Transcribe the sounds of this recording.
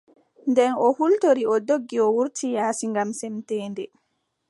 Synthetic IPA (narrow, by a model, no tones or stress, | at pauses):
ndɛnɔhultoɾiɔdoɡːiɔwuɾtʰijaːsiŋɡamsɛmtɛːndɛ